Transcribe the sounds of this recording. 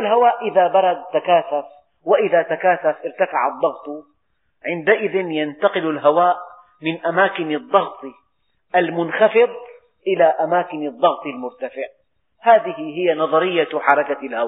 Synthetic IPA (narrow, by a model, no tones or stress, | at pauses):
alɦawaːʔʔɪðabɑɾˤɑd̪t̪ːakaːθaf | wɪʔɪðat̪akaːθafʔɪɾt̪afaʕɑd̪ˤːɑɣt̪ˤ | ʕɪnd̪aʔɪðɪnjant̪ɑqɪlalɦawaːʔ | mɪnʔamaːkɪnɑd̪ˤːɑɣt̪ˤi | ʔalmʊnxɑfɨd̪ˤ | ʔɪlaʔamaːkɪnɑd̪ˤːɑɣt̪ˤalmʊɾt̪afɪʕ | haːðɪhɪɦɪjːanɑðˤɑɾɪjːaħɑɾˤɑkalhawaː